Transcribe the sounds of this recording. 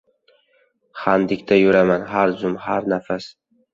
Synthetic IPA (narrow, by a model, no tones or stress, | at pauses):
χand̪ɪkʲt̪ʰajoɾamanɦaɾzʊmhaɾnafas